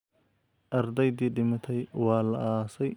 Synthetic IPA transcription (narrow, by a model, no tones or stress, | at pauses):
ʔɐɾd̪ɛjd̪iːɗɪmɐt̪ʰɛjwaːlɐ̰ʔaːsɛj